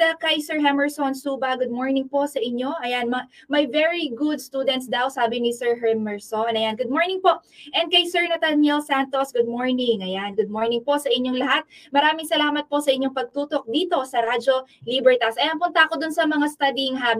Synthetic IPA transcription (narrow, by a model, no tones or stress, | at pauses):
ɐkɐjsɛɹɦɛmɛɹsonsuːbɐɡʊd̪̚moɹnɪŋpo̞ʔsɐʔɪɲːo̞ʔɐjanmɐ | mɐjvɛɹiɡʊd̪st̪uːd̪ɛnt̪̚sd̪awsaːbɪnɪsɛɹɦɛmɛɹsonɐjanɡʊd̪moɹnɪŋpo̞ʔʔɛn̚kɐjsɛɹnɐt̪ɐnɛlsant̪osɡʊd̪̚moɹnɪŋɐjanɡʊd̪̚moɹnɪŋpo̞sɐʔɪɲːoŋlɐɦat̪̚mɐɾaːmɪŋsɐlaːmɐt̪̚po̞sɐʔɪɲːoŋpɐɡ̚t̪uːt̪o̞k̚d̪iːt̪o̞sɐɾad͡ʒo̞libɛɹt̪ɐsʔɐjanpʊnt̪ɐʔɐkod̪ʊnsɐmɐŋast̪ad̪iŋɦam